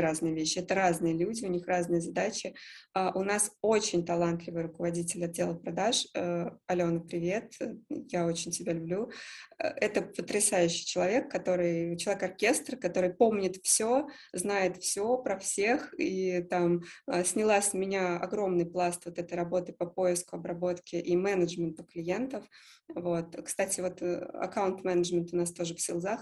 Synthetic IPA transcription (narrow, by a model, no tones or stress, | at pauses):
ɾaznɨjəvʲeɕːɪɛt̪əɾaznɨjəlʲudʲɪʊnʲixraznɨjəzɐd̪at͡ɕɪaʔʊnaso̞t͡ɕɪnʲt̪ɐlˠant̪lʲɪvɨjɾʊkəvɐdʲitʲɪlʲɐd̪̚dʲelˠəpɾɐd̪aʂəɐlʲo̞nəpɾʲɪvʲe̞t̪jao̞t͡ɕɪnʲtʲɪbʲalʲʊblʲṵ | ɛt̪əpət̪ɾʲɪsajʉɕːɪjt͡ɕɪlˠɐvʲe̞kːɐt̪o̞ɾɨjt͡ɕɪlˠɐvʲekɐrkʲe̞st̪rkɐt̪o̞ɾɨjpo̞mnʲɪt̪fsʲo̞ | znajɪt̪fsʲo̞pɾɐfsʲe̞xit̪aməsʲnʲɪlˠasʲmʲɪnʲaɐ̰ɡɾo̞mnɨjplˠast̪vo̞t̪ɛt̪əjɾɐbo̞t̪ɨpəpo̞jɪskʊɐbɾɐbo̞t̪kʲɪʔimɛnəʐmʲɪnt̪ʊklʲɪje̞nt̪əf | vo̞t̪kst̪atʲɪvo̞t̪ɐ̰kaʊnt̪mɛnəʐmʲɪnt̪ʊnast̪o̞ʐɨfsʲɪlˠzax